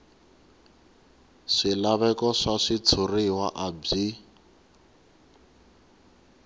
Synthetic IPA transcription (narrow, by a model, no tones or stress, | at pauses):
ʂilaβɛkɔʂaʂit͡sʰuriwaʔab͡ʐi